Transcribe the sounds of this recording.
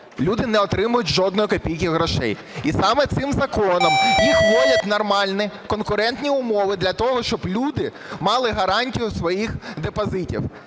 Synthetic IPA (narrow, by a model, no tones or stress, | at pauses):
lʲud̪ɪnɛɔt̪ɾɪmʊjʊtʲʒɔd̪nɔjʊkɐpʲijkʲiɦɾɔʃɛ̰j | isɑmɛt̪sɪmzɐkɔnɔmjixʋɔlʲɐt̪ʲnɔrmɑlʲnɪkɔnkʊɾɛnt̪nʲiʊmɔʋɪd̪lʲɐt̪ɔɦɔʃt͡ʃɔblʲud̪ɪ | mɑlˠɪɦɐɾɑnʲtʲijʊsʋɔjixd̪epɐzɪtʲḭw